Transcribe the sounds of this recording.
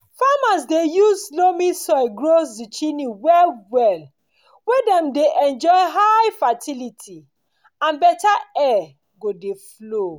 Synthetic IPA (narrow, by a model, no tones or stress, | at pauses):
famasdejuzslomĩsɔɪɡɹosdit͡ʃiniwɛlwɛl | wedɛ̃mdeʔɛ̃nd͡ʒɔɪɦaɪfatilitʰi | ãnbɛtaɛ | ɡodeflo